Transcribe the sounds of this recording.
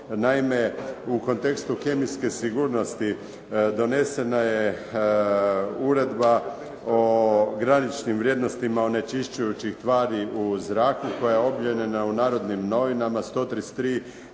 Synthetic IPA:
naime̞ukont̪e̞kst̪ukemiske̞siɡuːɾno̞st̪i | d̪o̞ne̞se̞naje | uɾe̞d̪ba | oɡɾanit͡ʃnimʋɾʲje̞d̪no̞st̪imaone̞t͡ʃiʃt͡ʃujut͡ɕixt̪ʋaːɾiʔuzɾaːkuko̞jaeo̞bʎenenaunaːɾo̞d̪nimno̞ʋinamast̪o̞ːt̪ɾist̪ɾiː

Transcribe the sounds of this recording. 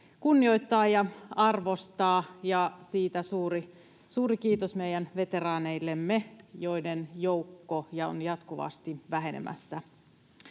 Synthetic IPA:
kunːio̞it̪ːɑːjɑɑrʋo̞st̪ɑːjɑsiːt̪æsuːri | suːɾikiːt̪osmejænʋe̞t̪e̞rɑːne̞ilːemːejo̞idenjoukːojɑo̰njɑt̪kuʋɑ̰st̪iʋæɦe̞nḛmʔæ̰sːæ

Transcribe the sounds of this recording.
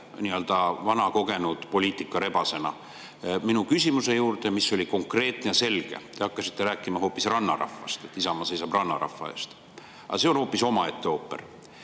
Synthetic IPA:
niø̞ld̪ɑvɑnɑko̞ɡ̥e̞nud̪̥po̞lʲiːt̪ːˑikːˑɑɾe̞bɑse̞nɑ̰ | minukysʲimuse̞juːrd̪e̞misːo̞lʲiko̞ŋkre̞ːt̪nejɑse̞lɡ̥e̞̰t̪e̞ɑkːɑsi̥t̪ːe̞ɾæːkːˑimɑɦo̞ːpːˑisrɑnːɑ̰rɑ̰fːɑ̰st̪et̪ːˑisɑmɑse̞jsɑb̥rɑnːɑɾɑ̰fːɑ̰ḛːst̪ | ʔɑ̰se̞onho̞ːpːiso̞mɑe̞t̪ːe̞oːpːe̞̰r

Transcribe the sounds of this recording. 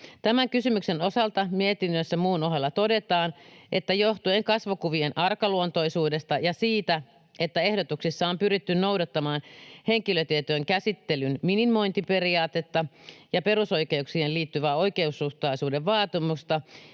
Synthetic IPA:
t̪æmæŋkysymyksenosɑlt̪ɑmiet̪inːøsːæmuːnoɦelːɑt̪ode̞t̪ɑːnʔet̪ːæjoht̪ujeŋkɑsʋukuʋienʔɑrkɑluont̪o̞isuːdest̪ɑjɑsiːt̪æ | ʔet̪ːæe̞hdot̪uksisːɑompyɾit̪ːynno̞udɑt̪ːɑmɑːnhe̞ŋkiløt̪iet̪oeŋkæsit̪ːelynminimːˑo̞int̪ipe̞riɑːt̪et̪ːɑjɑpe̞ruso̞ikeuksihenliːt̪ːyʋæːo̞ike̞usːuht̪ɑisuːdeʋʋɑːt̪imust̪ɑ

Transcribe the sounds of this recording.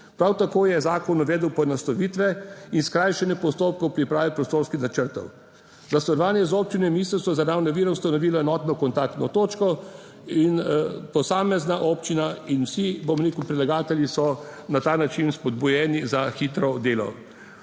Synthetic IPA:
pɾawt̪akoːjɛzaːkɔnɔʋɛːd̪əwpɔɛnast̪ɔʋiːt̪ʋɛinskɾajʃɛnɛpɔst̪oːp̚kɔwpɾipɾaːʋipɾɔst̪oːɾskixnat͡ʃəɾt̪ɔ̰w | zast̪ɔlɔʋaːnjɛzoːp̚t͡ʃinɛmiːst̪əsɔzaɾaːwnaʋiːɾɛwst̪anɔʋiːlaɛnɔːt̪nɔkɔnt̪ak̚t̪nɔt̪oːt͡ʃkɔ | inpɔsaːmɛznaʔɔpt͡ʃinainwsibomɾeːkuwpɾilaɡaːt̪ɛljisɔnat̪aːnat͡ʃinspɔd̪̚bujɛːnizaxiːt̪ɾɔd̪eːlɔ̰

